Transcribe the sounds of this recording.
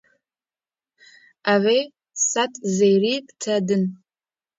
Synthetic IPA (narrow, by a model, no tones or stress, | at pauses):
aʕʷe | satʰʼzejrikʼtʰɐdɨn